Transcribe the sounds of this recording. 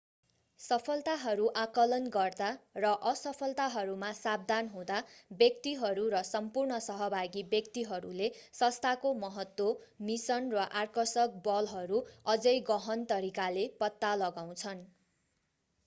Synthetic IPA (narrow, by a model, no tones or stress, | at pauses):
sʌpʰʌlt̪aɦʌɾuʔakʌlʌnɡʌrd̪arʌʔʌsʌpʰʌlt̪aɦʌɾumasab̚d̪ʱanɦũd̪abjʌk̚t̪iɦʌɾuɾʌsʌmpurɳʌsʌɦʌbʱaɡibjʌk̚t̪iɦʌɾṵlesʌ̃st̪ʰakomʌɦʌt̪ːwomisʌnrʌʔarkʌsʌk̚bʌlɦʌɾuʌd͡zʌjɡʌɦʌnt̪ʌɾikalepʌt̪ːalʌɡaw̃t͡sʰʌn